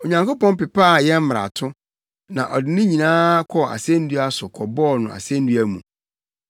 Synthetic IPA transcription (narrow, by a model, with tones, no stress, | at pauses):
o˨ɲã˨ŋko˦pɔ̃˦n˦pɪ˨pa˦˨jɛ˦m̩˦m˨ɾa̰˨tʰʊ˦ | nã˨ʔɔ˨dɪ˨˦nɪ̃˦ɲĩ˨nãː˦kʰɔ˨a̰˨sɛ̃˦n̩˦du˦a˦sʊ˨kʰɔ˨bɔː˦˨nʊ̃˨a̰˨sɛ̃˦n̩˦du˦æ˦mṵ̃˨